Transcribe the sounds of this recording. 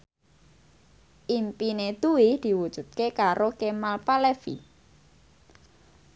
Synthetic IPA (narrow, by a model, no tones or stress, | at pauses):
ʔimpined̪uwid̪̥i̤wud̥ʒ̥ṳt̪̚kekaɾokemalpalefḭ